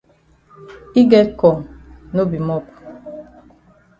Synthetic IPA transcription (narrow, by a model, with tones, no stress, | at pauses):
i˦ɡɛ˦kɔ˨ŋ˨no˦bi˨mɔ˦ku̥˨